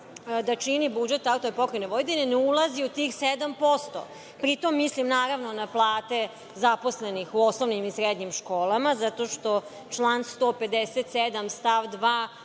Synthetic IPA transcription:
d̪at͡ʃinibud͡ʒet̪ːaut̪oepokɾeneʋojd̪eneneulˠaziut̪iːxsed̪ampo̞st̪o̰ | pɾit̪o̞mːislimnaːɾaʋnonaplˠaːt̪e | zapo̞slenixuosnoʋnimisɾed̪ɲimʃkoːlˠamazat̪o̞ʃt̪o̞ | t͡ʃlˠaːnst̪oːped̪eset̪sed̪amst̪aʋd̪ʋaː

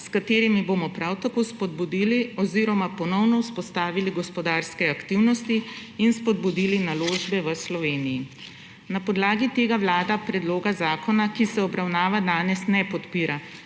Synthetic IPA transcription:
skat̪eːɾimibomɔpɾawt̪akoːspɔd̪̚bud̪iːliɔziɾɔmapɔnɔwnɔwspɔst̪aːʋiliɡɔspɔd̪aːɾskɛakt̪iwnɔst̪iːnspɔd̪̚bud̪ilinaloːʒbɛʋəslɔʋeːniji | napɔd̪laːɡit̪eːɡawlaːd̪apɾɛd̪loːɡazaːkɔnakisɛɔbɾawnaːʋad̪aːnɛsnɛpɔt̪piːɾa

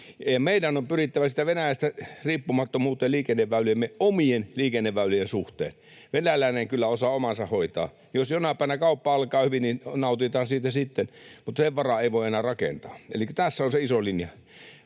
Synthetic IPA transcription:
jɑmeidænompyrit̪ːæʋæsit̪ːæʋenæjæst̪æriːpːumɑt̪ːomuːt̪ːˑeliːkenːeʋʋæylyjemːeomienliːkenːeʋʋæylyjensuht̪ḛːn | ʋenælæˑineŋkylːæosɑːomɑnsɑhoit̪ɑ̰ː | josjonɑpˑæˑinækɑˑupːɑɑlkˑɑːhyʋinninɑˑut̪it̪ɑːnsiːt̪æsit̪ːenmut̪ːɑseʋʋɑrɑeˑiʋoˑienæːrɑkḛnt̪ɑːḛlikːæ̥t̪æsːæonseisolinjɑ

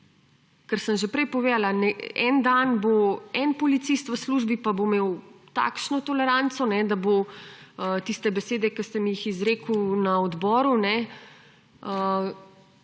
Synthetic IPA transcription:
kəɾsəmʒepɾɛjpɔʋeːd̪alanɛɛ̰nd̪anboɛnpɔlit̪sist̪ʋəsluʒbipabomeːwt̪a̰ːkʃnɔt̪ɔlɛɾant̪sɔnɛd̪abo | t̪ist̪ɛbɛseːd̪ɛkəst̪ɛmijixizɾeːkəwnaɔd̪bɔːɾunɛ | ə

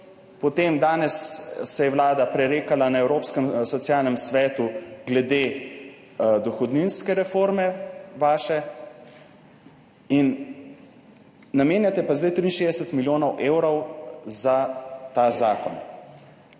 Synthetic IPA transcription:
pɔt̪eːmd̪aːnɛsːɛjɛwlaːd̪apɾɛɾeːkalanaɛwɾoːpskəmsɔt̪sjalnɛmsʋɛːt̪uɡlɛd̪e | d̪ɔxɔd̪ninskɛɾɛfoːɾmɛʋaːʃɛ | in | ameːnjat̪ɛpazd̪ajt̪ɾiːnʃeːd̪ɛsɛt̪miljoːnɔwʔeːwɾɔwzat̪aːzaːkɔn

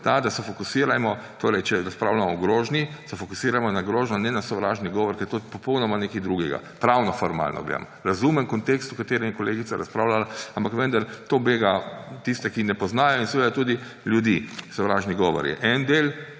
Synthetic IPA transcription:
t̪ad̪asɛfɔkusiːɾamɔt̪oːɾɛjt͡ʃɛɾaspɾawlamɔɡɾoːʒnisɛfɔkusiːɾamɔnaɡɾoːʒnɔnɛnasɔʋɾaːʒniɡɔːʋɔɾkɛɾt̪opɔpɔwnɔmanekid̪ɾuɡɛɡa̰pɾawnɔfɔɾma̰ːlnɔ̰ɡlḛd̰mɔɾazumɛmkɔnt̪ekst̪ukat̪eːɾɛmɛkɔleːɡit̪saɾa̰spɾaːwlalaampakʋə̃nd̪aɾt̪oːbeɡat̪ist̪ɛkinɛpɔznaːjɔinsɛʋeːd̪at̪uːd̪i | ljud̪isɔʋɾaːʒniɡɔːʋɔ̰ɾjɛ̰ʔɛnd̪eːl

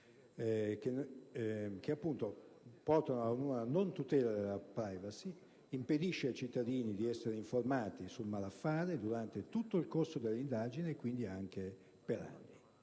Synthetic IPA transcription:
ken | k̟eapːunt̪opɔrt̪anoaunuːnanont̪ut̪ɛːlad̪elːapɾajvasi | imped̪iʃːeajt͡ʃit̪ːad̪iːnid̪iɛsːeɾeiɱformaːt̪isulmalafːaːɾed̪uɾant̪et̪ut̪ːoilkorsod̪elːind̪aːd͡ʒineːkːwind̪iaŋk̟e | peɾa̰nːi

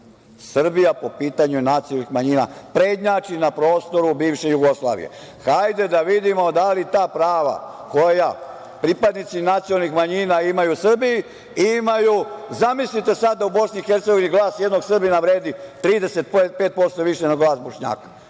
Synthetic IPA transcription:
sr̩bijapo̞piːt̪aɲunat̪sijolnixmaɲiːna̰pɾe̞ːd̪ɲaːt͡ʃinapɾo̞ːst̪o̞ɾubiːʋʃejuɡoslˠa̰ːʋḭje̞̰ | xajd̪e̞d̪aʋid̪imo̞d̪alit̪aːpɾaːʋa̰ | ko̞ja | pɾipad̪nit̪sinat̪sijolnixmaɲinaimajusr̩biji | imajuzamislit̪e̞sad̪̚d̪aubo̞snixe̞ɾt̪seɡo̞ʋiniɡlˠaːsjed̪no̞ɡsr̩binaʋɾe̞ːd̪it̪ɾiːd̪e̞set̪̚ppe̞ːt̪̚po̞st̪o̞ʋiʃenaɡlaːsbo̞ʃɲa̰ːkḁ

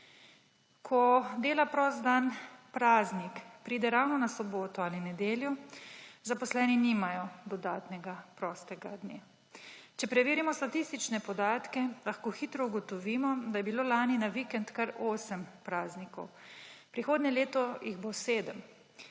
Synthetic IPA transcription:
kʰɔd̪eːlapɾɔːsd̪anpɾaːznikpɾiːd̪ɛɾawnɔnasɔboːt̪ɔalinɛd̪eːlju | zapɔslɛːniniːmajɔd̪ɔd̪aːt̪nɛɡapɾɔːst̪ɛɡad̪ne | t͡ʃɛpɾɛʋiːɾimɔst̪at̪ist̪it͡ʃnɛpɔd̪aːt̪kɛlaxkoːxit̪ɾɔuɡɔt̪ɔʋiːmɔd̪ajɛbiloːlaːninaʋikɛnt̪kaɾoːsəmpɾaːznikɔw | pɾixoːd̪nʲɲɛleːt̪ɔjiɣboseːd̪əm

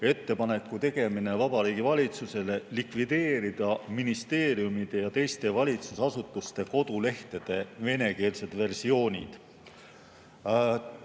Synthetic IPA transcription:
e̞t̪ːe̞pɑne̞kːut̪e̞ɡ̥e̞mine̞vɑbɑɾiːɡ̥ivɑlʲit̪suse̞le̞likvid̪̥e̞ːɾid̪̥ɑminist̪e̞ːɾiumid̪̥ejɑt̪e̞jst̪e̞vɑlʲit̪susɑsut̪ːˑust̪e̞ko̞d̪̥ule̞ht̪e̞d̪̥e̞ve̞ne̞ke̞ːlse̞d̪̥ve̞rsio̞ːnʲḭd̪̥

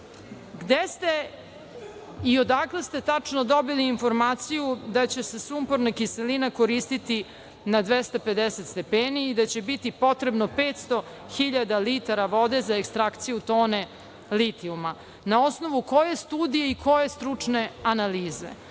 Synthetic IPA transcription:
ɡd̪est̪e | io̞d̪aklest̪e̞t̪at͡ʂno̞d̪o̞biliːnfo̞ɾmaːt̪sijud̪at͡ɕe̞se̞sumpoɾnakiselinako̞ɾiːst̪it̪i | nad̪ʋest̪ape̞d̪eset̪st̪e̞peːniːd̪at͡ɕebit̪ipo̞t̪ɾe̞bno̞peːt̪st̪o̞ | xiʎad̪alit̪aɾaʋo̞d̪e̞zaekst̪ɾakt̪sijut̪o̞ːne̞ | lit̪iuma | nao̞sno̞ʋuko̞je̞st̪uːd̪ijeikʰo̞je̞st̪ɾut͡ʂne̞analiːze̞̰

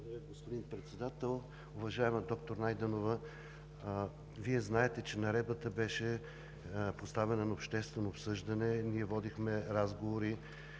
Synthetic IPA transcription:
ɛɡospʊd̪inpɾɛt̪sɛd̪at̪ɛlˠ | ʊvɐʒaɛməd̪ɔk̚t̪oɾnajd̪ənovə | viɛznaɛt̪ɛt͡ʃɛnɐɾɛd̪bət̪əbɛʃɛ | post̪avɛnɐnɐopʃt̪ɛst̪vɛnoːpsɤʒd̪ɐnɛniɛvɔd̪ixmɛɾazɡovoɾi

